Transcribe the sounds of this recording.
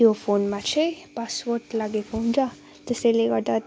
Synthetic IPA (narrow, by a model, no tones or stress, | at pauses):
iofoːnmãt͡ʃʰepasʋoɾʈlaɡefʰõnd͡ʒa | t̪əseleɡaʈ̪a